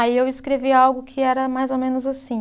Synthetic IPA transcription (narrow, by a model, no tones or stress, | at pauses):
aiewɪskɾeviawɡʊkʰɪɛɾɐmajzomẽnʊzasĩ